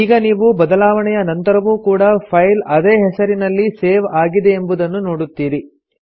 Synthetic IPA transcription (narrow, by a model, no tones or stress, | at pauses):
iːɡɐniːʋubɐd̪ɐlaːʋɐɳɛjɐnɐnt̪ɐɾɐʋuːkuːɽɐpʰɐjlɐd̪eːɦɛsɐɾinɐlːiseːʋaːɡid̪e̞ːmbud̪ɐnːuno̞ːɽut̪ːiːɾi